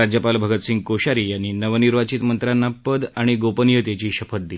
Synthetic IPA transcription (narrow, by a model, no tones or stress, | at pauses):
ad͡ʑjəpalbʱəɡət̪siŋɡ̚koɕaɾiːjanːiːnəʋəniɾʋat͡ɕiːt̪mənt̪ɾanːapəd̪aɽ̃iɡopənijət̪jat͡ɕiːɕəfət̪̚d̪il